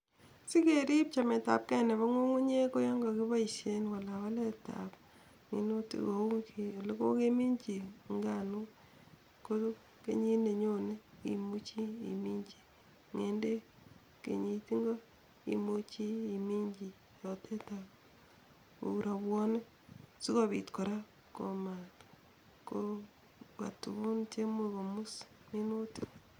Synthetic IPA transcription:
si˦ke˨ɾi˦p̚t͡ʃa˨mɛ˨ta̰˨p̚kɛ˦˨nɛ˨βa˦ŋo˦ŋu˦ɲe˦ko˦jɔ˦ŋɡɔ˨ki˦ba˦i˨se˦nwa˨la˨wa˦lɛ˦ta̰˨p | ŋḭ˨no˦to˨˦kʰe˨le˦ko̰˦ke˦mi˦ɲt͡ʃi˨ŋɡa˦˨nu˦ | ko˦tu˦ | kḛ˨ɲi˦ne˨ɲo˦ne˦ḭ˨mu˦t͡ʃi˦ḭ˨mi˦ɲt͡ʃi˨ | ŋe˨nde˦ | kḛ˨ɲi˨ti˦ŋɡo˦ | ḭ˨mo˦t͡ʃiː˦˨mi˦ɲd͡ʒi˨ | jɔtʰe˦ta | o̰˨uɾa˨βwɔ˦ne˦ | si˦ko˦βi˨tko˨ɾa˦ | ko˨ma˨t | ko | ka̰˨tṵ˨βu˦nt͡ʃe˦moko˨mu˦s | ni˦no˦ti̥

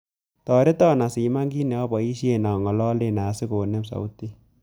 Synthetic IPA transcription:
tɔ˨ɾe˦tɔ˦na˨si˨ma˦ŋɡi˦nɛ˨ɔ˦bɔ˨i˦ʃje˦˨na˨ŋɔ˨lɔ˦le˦na˨˦sɪ˦ko˨nɛ˦psa̰˨u˦ti˦

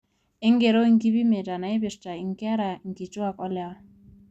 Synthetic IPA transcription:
ɪ˦ŋ˦ɡe˨ɾo˦i˦ŋ̩˦ki˦bi˦me˨ta˨na˨e˦bɪ˨ɾta˨i˨ŋ˦ka˦ɾa˨ŋ̩˨ki˨t͡ʃʊ˦a˨kɔ˦lɛ˨˦

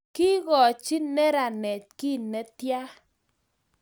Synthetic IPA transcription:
ki˦ɣɔ˨t͡ʃi˦nɛ˦ɾa˨nɛ˨t͡ʃ̚ki˦˨nɛ˦t̪ja˦

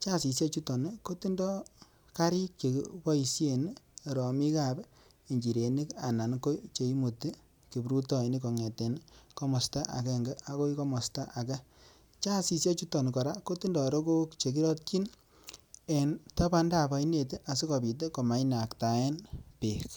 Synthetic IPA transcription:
t͡ʃa˦˨si˨sja˦t͡ʃu˦tɔ˨ni˦ko˦ti˦ndɔ˦ | ka˦ɾi˦k̚t͡ʃḛ˨bɔ˦i˨sje˨n˨ | ɾɔ˨mi˦ka˦˨b | e˨ɲd͡ʒi˨ɾe˨ni˦ka˨na˨nko˦t͡ʃe˨i˦mo˨ti˦ | ki˨bɾu˦tɔ˨i˨ni˦kɔ˨ŋe˨te˨nkɔ˦mɔ˨sta˦ʔa̰˨kɛ˦ŋɡe˦a˨ko˦i˦kɔ˦mɔ˨sta˦ʔa˨kɛ˦ | t͡ʃa˦si˨sja˦t͡ʃu˦tɔ˨ni˨kɔ˨ɾa˦ko˦ti˦ndɔ˨ɾo˦ko˦kt͡ʃe˨ki˦ɾɔ˦t̚ki˦n | e˨ntɔ˦pa˧nda˦˨pa˨i˦ne˨tʔa˨si˦kɔ˨pi˨t̬e˦ko˨ma˨jna˨kta˨ɛ˦npe˨k

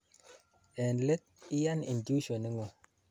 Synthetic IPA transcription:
ɛ˨nle˦t̪̚i˦ja˦ni˨ndu˦ʃo˨ni˦ŋo˨

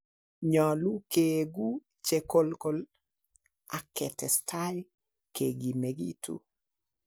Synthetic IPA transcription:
ɲɔ˨lu˦keɡu˦ | t͡ʃe˨ko˦lkol | a˨kɛtɛ˨stʰa˦j | keɡi˨meɡḭ˦tʰṵ˦

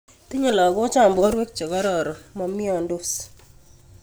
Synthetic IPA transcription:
t̪i˦ɲo˦˨lɔ˨ɡɔ˦t͡ʃa˦˨mbɔ˨˦ɾwɛ˦k̚t͡ʃɔ˨ɡa˦ɾɔ˨ɾɔ˨mɔ˨mɪ˦ɔ˦˨ndo˦s

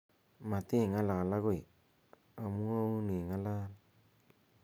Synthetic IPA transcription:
ma˨tɪ˦˨ŋa˦la˨ka˨la˦kʊ˦˨i˨ | a˨mu˦a˦u˦ni˨ŋa˦la˦l

